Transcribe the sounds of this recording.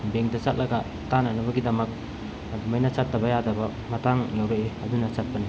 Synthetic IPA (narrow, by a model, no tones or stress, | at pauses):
beŋdɐt͡ʃat̚lɐɡɐ | tanɐnɐbɐɡidɐmɐk̚ | bmɐjnɐsatːɐbɐjadɐbɐ | mɐtaŋjewɾeeɐdunɐsat̚pɐni